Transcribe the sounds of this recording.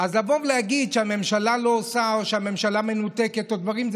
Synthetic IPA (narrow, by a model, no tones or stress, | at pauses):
azlavovlejaɡid̪ʃeame̞mʃalalo̞ːsaoʃeame̞mʃalame̞nut̪eke̞t̪od̪vaʁimz